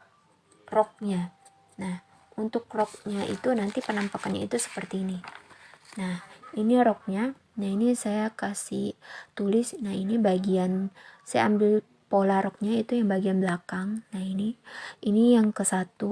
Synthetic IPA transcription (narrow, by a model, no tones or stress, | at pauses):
rɔk̚ɲa | nah | unt̪ʊk̚rɔk̚ɲaʔḭt̪unant̪ipənampakanɲa̰ḭt̪usə̥pərt̪iːni | nahiniɾɔk̚ɲa | nainisajakasɪ̰ht̪ulɪsnahinibaɡiansajaa̰mbɪl | polahɾɔk̚ɲait̪ujaŋbaɡianblakaŋnahiniinijaŋkəsat̪u